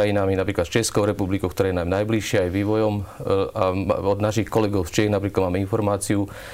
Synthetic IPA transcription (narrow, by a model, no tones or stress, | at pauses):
ajinaminapɾiːklat̪ft͡ʃɛskɔʊɾɛpublikɔʊkt̪ɔɾaːjnaːjmnajbliʃɪɛajʋiːʋɔjɔma̰ɔd̪naʃixkɔlɛɡɔʊft͡ʃɪɛɣnapɾiːklad̪maːmɛinfɔɾmaːt͡siu